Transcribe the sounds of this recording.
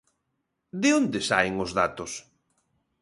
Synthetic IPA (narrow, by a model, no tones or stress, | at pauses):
d̪ɪond̪esa̰jŋozðat̪ʊs